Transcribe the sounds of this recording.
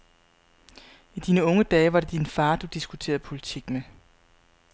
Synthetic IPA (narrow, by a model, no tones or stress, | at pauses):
id̥iːnəɔ̽ŋəd̥ɛːʋɑ̈ɾ̥e̝d̥infɑ̈ːd̥ud̥isɡ̥ut͡sʰe̝̰ːɐð̩ˠpʰo̝lit͡sʰiɡ̥nə